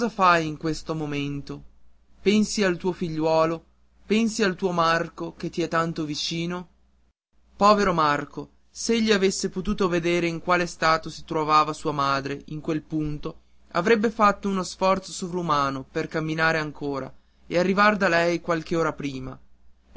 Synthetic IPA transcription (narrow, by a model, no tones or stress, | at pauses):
zafajiŋkwest̪omoment̪o | pɛnsialt̪uːofiʎːwɔːlo | pɛnsialt̪uːomarkoket̪ːiɛt̪ːant̪ovit͡ʃiːno | pɔːveɾomarko | seʎːiavesːepot̪uːt̪oved̪eːɾeiŋkwaːlest̪aːt̪osi̥t̪ɾovaːvasuːamaːd̪ɾeʔiŋkwelpunt̪o | a̰vɾɛbːefat̪ːounosfɔrt̪sosovɾaumaːnoperkamːinaːɾeaŋkʰoːɾa̰ | earːivaɾd̪alɛjkwalk̟eoːɾapɾiːma̰